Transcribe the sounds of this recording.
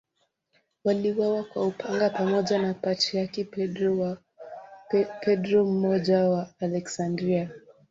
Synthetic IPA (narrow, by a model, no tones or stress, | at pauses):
waliwawakwaupʰaŋɡapamɔʄanapat͡ʃiaki | pʰɛdɾɔm̩mɔʄawaːlɛksandɾia